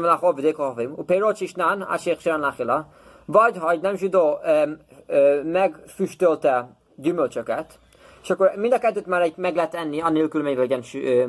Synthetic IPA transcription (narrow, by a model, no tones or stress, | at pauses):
mlaχovid̪eːkoofimṵpeɾot͡ʃiʃnana̰ʃeχʃianlaχilɒ | vɒɟɦɒɛɟnɛmʒid̪oːø | mɛɡfyʃt̪ølt̪ɛ | ɟymølt͡ʃøkɛt̪ | e̥ʃɒkːoɾmind̪ɒkɛt̪ːøːt̪maːɾɛɟmɛɡlɛɛt̪ːɛnːiɒneːlkylmeːɲvɛɟɛnʃ